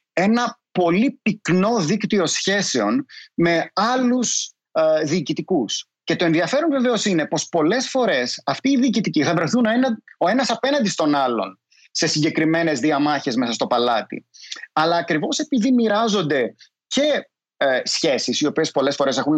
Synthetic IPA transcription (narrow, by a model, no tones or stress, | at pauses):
e̞nɐpo̞lipikno̞ðikt̪io̞sçe̞se̞o̞nme̞ɐlus | ðiːcit̪ikus | ce̞t̪o̞e̞nðiɐfe̞ɾonve̞ve̞o̞sine̞po̞spo̞le̞sfo̞ɾe̞sɐft̪iːðiːcit̪iciθɐvɾeθunoeno̞e̞nɐsɐpe̞nɐnd̪ist̪o̞nɐlo̞̰n | se̞siɲɟe̞kɾime̞ne̞zðiɐmɐçe̞zme̞sɐst̪o̞pɐlɐt̪ḭɐlɐːkɾivo̞se̞piðimiɾɐzo̞nd̪e̞ | ce̞ | sçe̞sisio̞pie̞spo̞le̞sfo̞ɾe̞se̞xun